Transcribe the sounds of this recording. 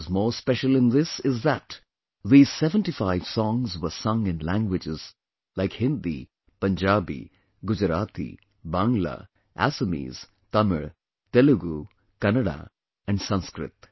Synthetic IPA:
zmoːɾspɛʃəl̩ˠɪ̃nd̪ɪsɪzðæt | ðiːz̥sɛʋə̃nʈifaɪʋsɔ̃ŋzwəsʌ̃ŋɪ̃nlæ̃ŋɡwɪd͡ʒɪz | laɪkhɪ̃nd̪ḭ | pə̃nd͡ʒaːbḭ | ɡʊd͡ʒɾaːt̪ḭ | bãŋɡla̰ | ʔæ̰səmḭːz̥ | t̪ʌməɾ | t̪eluɡu | kænəɖa̰ | æ̃ɳɖsʌ̃nskɾɪ̰t̪

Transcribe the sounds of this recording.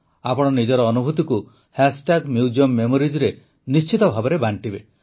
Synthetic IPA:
apɔɽ̃ɔnid͡ʒɔɾɔːnubʱut̪iku | hasʈaɡmjud͡ʒiɔmːemoɾid͡ʒɾe | nist͡ʃit̪ɔbʱabɔɾebaɳʈibe

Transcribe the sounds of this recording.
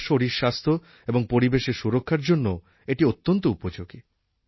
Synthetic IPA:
ʃoɾiɾʃast̪ʰo | eboŋpoɾibeʃeɾʃuɾokʰːaɾd͡ʑonːo | eʈiot̪ːont̪oupod͡ʑoɡi

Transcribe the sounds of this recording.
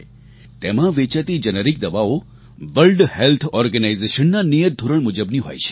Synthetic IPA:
t̪emãʋet͡ʃət̪id͡ʒənəɾik̚d̪əʋao | ʋəlɖhelt̪ʰɔɾɡənaizeʃənːanijəd̪ʱuɾəɳmud͡ʒəbniɦo̰jt͡ʃʰe̥

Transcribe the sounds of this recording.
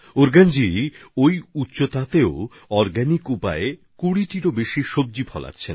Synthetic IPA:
oɾɡand͡ʑiojutːɕot̪at̪eo | ɔɾɡɛnikupae | kuɽiʈiɾobeʃiʃob̚d͡ʑipʰɔla̰tːɕʰen

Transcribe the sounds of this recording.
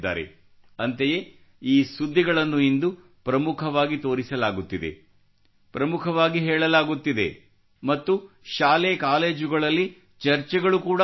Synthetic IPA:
d̪ːa̰ːɾḛ | ɐnt̪eje | iːsud̪ʱːiɡɐɭɐnːuind̪u | pɾɐmukʰɐʋaːɡit̪o̞ːɾisɐlaːɡut̪ːid̪ḛ | pɾɐmukʰɐʋaːɡiɦɛːɭɐlaːɡut̪ːid̪ḛ | mɐt̪ːu | ʃaːlekaːleːd͡ʒuɡɐɭɐlːi | t͡ʃɐɾt͡ʃɛɡɐɭukuːɽ

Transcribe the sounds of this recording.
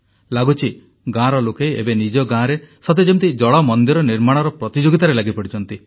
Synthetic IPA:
laɡut͡ʃʰi | ɡãɾɔlokejebenid͡ʒɔɡãɾesɔt̪ed͡ʒemt̪id͡ʒɔɭɔmɔnd̪iɾɔniɾmaɽ̃ɔɾɔpɾɔt̪id͡ʒoɡit̪aɾelaɡipɔɽit͡ʃʰɔnt̪i

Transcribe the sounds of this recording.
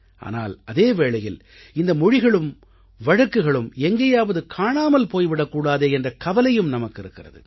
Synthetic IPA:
ʔa̰ːna̰ːlɐðeːʋeːɭɐjɪl | ɪnd̪ɐmɔɻɪɣɐɭɯm | ʋɐɻɐkːɯɣɐɭɯmɛŋɡɐjaːʋɐðɯkʰaːɳaːmɐlpoːjʋɪɽɐkːuːɽaːðeːɛndrɐkɐʋɐlɐjɯmnɐmɐkːɪɾɯkːɪrɐ̰ðɯ̰

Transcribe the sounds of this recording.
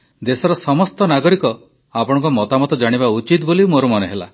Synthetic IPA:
d̪esɔɾɔsɔmɔst̪ɔnaɡɔɾikɔ | apɔɽ̃ɔ̃ŋkɔmɔt̪amɔt̪ɔd͡ʒaɽ̃iβaut͡ʃit̪bolimoɾumɔneɦela̰

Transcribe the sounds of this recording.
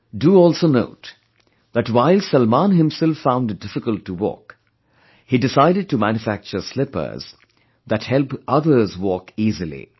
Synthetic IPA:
duɔːlˠsoːno̰ʊt | ðætwaɪlsəlmãnɦɪ̃msɛlfːãʊ̃nd̚dɪfɪkəltʰːuwɔ̰ːk | hidɪsaɪɾɪd̚tumæ̃njufæk̚t͡ʃəslɪpə̰˞z̥ | ðæthɛlpʔʌðə˞zwɔːkiːzəlḭ

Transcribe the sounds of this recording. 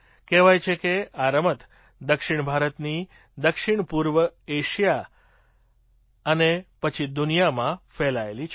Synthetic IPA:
kɛʋajt͡ʃʰekeaɾəmət̪ | d̪əkʃiɳbʱaɾət̪ni | d̪əkʃiɳ̃puɾʋəeʃija | ənepət͡ʃʰid̪unijamãfɛlaelit͡ʃʰ

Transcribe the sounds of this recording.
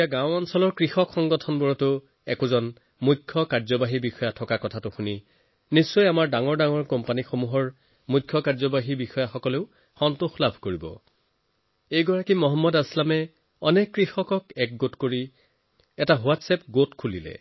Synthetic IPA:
aɡãwɔnsɔlɔɹkɹixɔkxɔŋɡɔtʰɔnbɔɹɔtʊ | ɛ̰kʊzɔn | mukʰːɔkaɹzɔbaɦibixɔjatʰɔkakɔtʰatʊxuni | nisːɔjamaɹdaŋɔɹdaŋɔɹkɔmpanixomuɦɔɹ | mujkʰːɔkaɹzɔbaɦibixɔjaxɔkɔleʊ | xɔntuxlabʱkoɹibɔ̰ | ejɡɔɹakimɔɦɔmːɔdaslamɛ | ɔnɛkːɹixɔkɔkɛk̚ɡotkoɹi | ɛtaɦʊatsɛp̚ɡotkʰulilɛ̰

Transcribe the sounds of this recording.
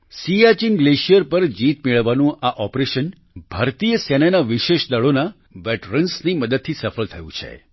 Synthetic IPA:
siat͡ʃinɡleʃijəɾpəɾd͡ʒit̪meɭəʋːanũʔaʔɔpɾeʃən | b̥ʱaɾt̪ijəsɛnanaʋiʃeʃd̪əɭona | ʋɛʈɾənsniməd̪əd̪̚t̪ʰisəfəɭt̪ʰəjṵ̃t͡ʃʰḛ

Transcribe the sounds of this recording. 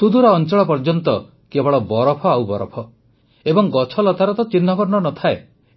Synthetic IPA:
t̪ud̪uɾɔːnt͡ʃɔɭɔpɔɾd͡ʒɔnt̪ɔ | kebɔɭɔbɔɾɔpʰɔawbɔɾɔ̰pʰɔ | ebɔŋɡɔt͡ʃʰɔlɔt̪aɾɔt̪ɔt͡ʃinːɔbɔɾɳɔnɔt̪ʰae

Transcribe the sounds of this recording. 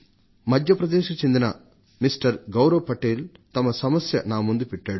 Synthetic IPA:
mɐd̪ʱjɐpɾɐd̪eːʃɐkut͡ʃe̞nd̪inɐ | misʈɐɾɡɐwɾɐʋɐpɐʈeːlt̪ɐmɐsɐmɐsjɐnaːmund̪upɛʈːaːɽu

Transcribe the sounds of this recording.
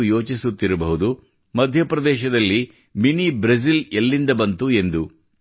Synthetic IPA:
jo̞ːt͡ʃisut̪ːiɾɐbɐɦud̪u | mɐd̪ʱjɐpɾɐd̪ɛːʃɐd̪ɐlːi | minibɾɐs̬ilelːind̪ɐbɐnt̪ue̞nd̪u

